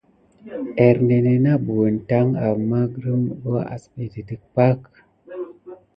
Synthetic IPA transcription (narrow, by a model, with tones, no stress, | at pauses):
e˨ɾne˨ne˨na˦bu˨nta˦ŋa˨mːa˦ɡɾə˦m˨bo˦a̰˨sbi˨ti˨ti˨k̚pa˦k